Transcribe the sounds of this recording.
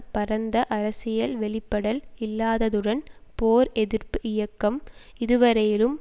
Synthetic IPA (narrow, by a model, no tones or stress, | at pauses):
pɐɾɐnd̪ɐʔɐɾɐsɪjɐlʋɛɭɪpːɐɽɐlɪlːaːðɐðɯɽɐnpoːɾɛðɪɾpɯʔɪjɐkːɐm | ɪðɯʋɐɾɐjɪlɯm